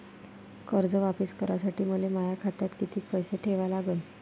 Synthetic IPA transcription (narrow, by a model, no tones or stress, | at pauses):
kəɾd͡zəʋapiskəɾasaʈiːməlemajakʰat̪jat̪kit̪ʰiːk̚pəjseʈʰeʋalaɡən